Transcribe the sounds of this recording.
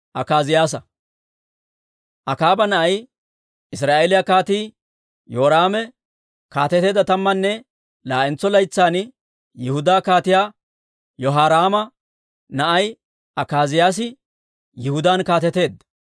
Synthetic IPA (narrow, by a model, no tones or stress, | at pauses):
ʔɐkaːzɪjaːs̬ɐ | ʔɐkaːbɐnɐʔɐj | ʔɪs̬ɾaːʔelɪjakaːt̪iː | joːɾaːmɛ | kaːt̪ɛt̪e̞ːd̪ɐt̪ɐmːɐnːɛ | laːʔɛnt͡sːɔlɐjt͡sːaːn | jɪhʊd̪aːkaːt̪ɪjaː | jɔɦaːɾaːmɐ | nɐʔɐj | ʔɐkaːzɪjaːs̬ɪ | jɪhʊd̪aːnkaːt̪ɛt̪e̞ːd̪